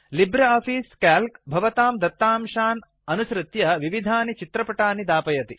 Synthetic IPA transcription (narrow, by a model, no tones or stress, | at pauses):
libɾɐaːpʰiːskaːlkbʱɐʋɐt̪aːmd̪ɐt̪ːaːmʃaːn | ɐnuʃɾɨt̪jɐʋiʋid̪ʱaːnit͡ʃit̪ɾɐpɐʈaːnid̪aːpɐjɐt̪i